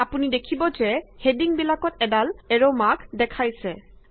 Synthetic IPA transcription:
apunidekʰibɔzɛhediŋbilakɔtɛdalɛɹomaɡdɛkʰajsɛ

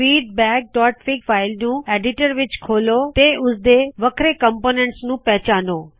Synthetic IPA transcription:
fiːɖ̚bɛːk̚ʈɔːʈfɪkfaːɪlnũːeːɖɪʈəɾʋɪt͡ɕkʰoːlot̪eʊsd̪eʋɐkʰɾekɐ̃mpoːnẽɳʈsnũːpɛɦt͡ɕaːnoː

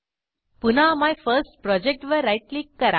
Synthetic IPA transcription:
punamajfəɾsʈ̚pɾɔd͡ʒek̚ʈʋəɾaɪʈlikːɐɾa̰

